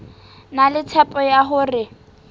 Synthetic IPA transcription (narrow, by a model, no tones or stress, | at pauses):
nalɪt͡sʰɛpʼɔjaɦʊrɪ